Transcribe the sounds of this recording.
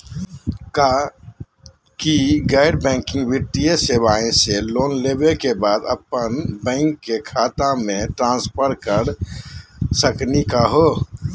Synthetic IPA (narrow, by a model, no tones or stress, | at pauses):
ka | kiɡɛɪɖbɛ̃ːŋkɪ̃ŋɡʋɪʈ̪ijəsewaːẽseloːnleːbekebaːd̪ə̰pənbɛ̃ːŋkːekʰaːt̪ãmẽʈɾãːnspʰəɾkəɾ | səknikaɦoː